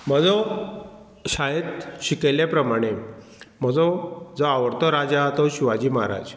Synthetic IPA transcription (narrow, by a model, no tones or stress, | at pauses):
m̤əd͡zɔ | ɕajet̪ɕikelepɾəmaɽ̃e | m̤əd͡zɔd͡zɔaʋəɾt̪ɔɾad͡ʑat̪ɔɕiʋad͡ʑiːmaɦaɾa̰d͡ʑ